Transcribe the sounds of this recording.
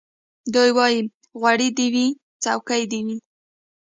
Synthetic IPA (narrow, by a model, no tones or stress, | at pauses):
d̪ujwɑji | ɣwaɽid̪iwi | t͡sawkajd̪iwi